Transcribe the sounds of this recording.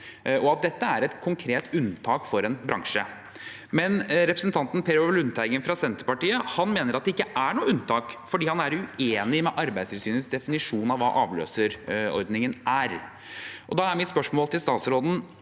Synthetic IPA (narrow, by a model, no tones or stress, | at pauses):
ɔɑt̪̚d̪ɛt̪ːəæɾɛt̪kʰʊŋkʰɾeːt̪ʉnt̪ʰɑːkfɔɾɛnbɾɑ̰ŋʂə | mɛnɾɛpɾəsən̩t̪ɑnt̪n̩pʰeɾoʋlʉnt̪ʰæɪɡənfɾɑsɛnt̪əɾpɑʈiːəhɑnmeːnəɾɑt̪d̪ɛɪkːəʔæɳuːəʉnt̪ʰɑːkfɔɖiːhɑnæɾʉeːnɪmɛʔɑɾbæɪst̪ʰɪlsyːnəsd̪ɛfɪnɪʂuːnɑʋʋɑ̰ːʔɑ̰ːʋlø̰ːsəɾɔ̰ɾd̪nɪŋənʔæɾ | ʔɔd̪ɑːæɾmɪt̪spœʂmoːlt̪ɪlst̪ɑːt̪sɾoːd̪n̩